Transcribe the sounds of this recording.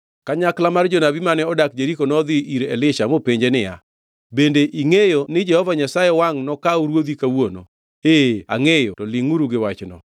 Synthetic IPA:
kaɲaklamard͡ʒɔnabimanɛɔdak̚d͡ʒeɾikonɔd̪ɪʔiɾɛlɪʃamopeɲd͡ʒenɪja̰ | bendeʔiŋejonɪd͡ʒɛhɔvaɲasajɛwaŋnɔkauɾwod̪ikawono̰ | ea̰ŋejotɔlɪŋuɾuɡɪwat͡ʃnɔ̰

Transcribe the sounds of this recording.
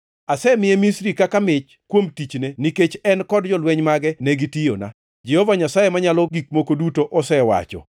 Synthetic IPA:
asɛmɪɛmisɾikakamɪt͡ʃ | kwomtit͡ʃneniket͡ʃɛnkɔdd͡ʒɔlwɛɲmaɡɛnɛɡitɪjo̰na̰ | d͡ʒɛhɔvaɲasajemaɲalɔɡik̚mokodutoʔɔsɛwa̰t͡ʃɔ̰

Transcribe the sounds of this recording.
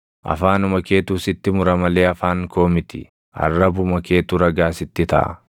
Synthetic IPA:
ʔɐ̰faːnʊmɐke̞ːt̪uːsɪt̪ːɪmʊɾɐmɐle̞ːɐfaːŋko̞ːmɪt̪ɪ̰ | ɐ̰rːɐbʊmɐke̞ːt̪uɾɐɡaːsɪt̪ːɪt̪ɐ̰ʔɐ̰

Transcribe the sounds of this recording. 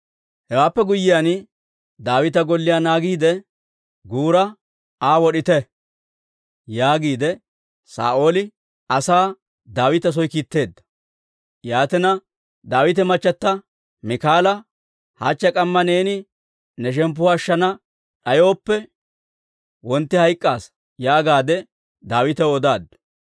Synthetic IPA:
hɛwaːpːɛɡʊjːɪjan | d̪aːwɪt̪̬ɐɡɔlːɪjaːnaːɡiːd̪ɛ | ɡuːɾɐ | aːwɔɗɪt̪ɛ | jaːɡiːd̪ɛ | sa̰ːʔo̞ːlɪ | ɐsaː | d̪aːwɪt̪ɐs̬ɔjkiːt̪ːe̞ːd̪ːɐ̥ | jaːt̪ɛnɐ | d̪aːwɪt̪ɛmɐt͡ʃːɐt̪ːɐ | mɪkaːlɐ | ha̰ːt͡ʃːɐkʼɐmːɐne̞ːnɪ | nɛʃ̬ɛmp̬ːʊːʃːɐnɐ | ɗɐjo̞ːpːɛ | wɔnt̪ːɪhɐjkʼːaːs | jaːɡaːd̪ɛ | d̪aːwɪt̪ɛwɔd̪aːd̪ː

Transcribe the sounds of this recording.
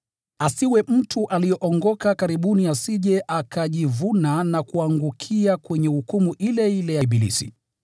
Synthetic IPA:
asiwɛm̩tʰuʔalijɔʔɔŋɡɔkakaɾiɓuniasiʄɛʔakʰaʄivunanakuaŋɡukʰiakwɛɲɛhukumuʔilɛilɛjaɓilḭsḭ

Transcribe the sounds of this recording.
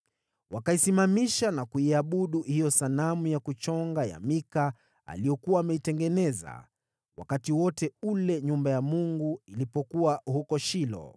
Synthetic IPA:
wakaisimamiʃanakuiaɓuɗuhijɔsalamujakut͡ʃɔŋɡaja̰mika | a̰lijɔkuwaːmɛitɛŋɡɛnɛza̰ | wa̰katiwɔtɛulɛɲumbajamuŋɡuilipɔkuwahukɔʃilɔ̰

